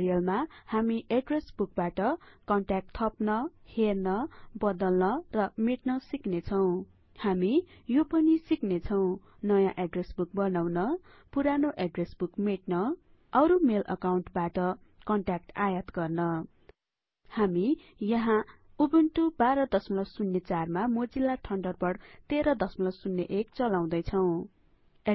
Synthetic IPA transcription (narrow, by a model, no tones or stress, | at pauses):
ɾijʌlmahamiʔeɖresbuk̚baʈʌkʌɳʈak̚ʈt̪ʰʌpnʌhernʌbʌd̪ʌlnʌrʌmeʈnʌsiknet͡sʰʌw̃ | hamijopʌnisiknet͡sʰʌw̃ | nʌjãʔeɖresbuk̚bʌnawnʌ | puɾanoʔeɖresbukmeʈnʌ | ʌɾumelʔʌ̰kawɳʈbaʈʌkʌɳʈak̚ʈajat̪ɡʌrnʌ | hami | jʌɦãubinʈubaɾʌd̪ʌsmʌlʌksunːet͡sarmamod͡zilaʈʰʌɳɖʌrbʌɽt̪eɾʌd̪ʌsmʌlʌksunːeʔekt͡sʌlaw̃d̪ʌjt͡sʰʌw̃